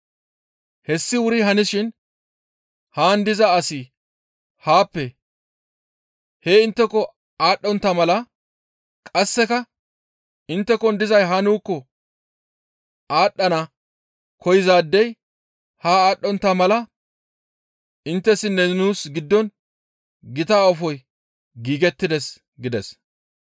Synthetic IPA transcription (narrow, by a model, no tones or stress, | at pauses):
hɛsːɪwʊɾɪɦɐnɪʃɪn | haːnd̪ɪzɐːsɪ | haːpːɛ | heːɪnt̪ːɛkːɔ | aːɗːɔnt̪ːɐmɐlɐ | kʼɐsːɛkɐ | ʔɪnt̪ːɛkɔnd̪ɪzɐjɦanuːkːɔ | ʔaːɗːɐnɐ | kʰɔjɪzaːd̪ːɛj | haːaːɗːɔnt̪ːɐmɐlɐ | ʔɪnt̪ːɛsːɪnːɛnuːsɡɪd̪ːɔn | ɡɪt̪aːɔfɔj | ɡiːɡɛt̪ːɪd̪ɛs | ɡɪd̪ɛs